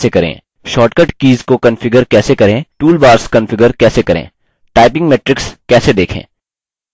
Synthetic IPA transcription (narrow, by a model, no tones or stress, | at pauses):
ekɐɾḛ̃ː | ʃɔːʈkəʈkiːzkokɐnfɪɡəɾkɛːsekɐɾẽːʈuːlbaːɾskɐ̃nfɪɡəɾkɛːsekɐɾḛ̃ː | ʈaːɪpɪ̃ŋɡmeːʈɾɪkskɛːsed̪eːkʰḛ̃ː